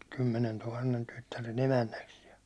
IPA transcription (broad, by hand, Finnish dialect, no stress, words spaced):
kymːenentuhɑnːen tytːæren emænːæks jɑ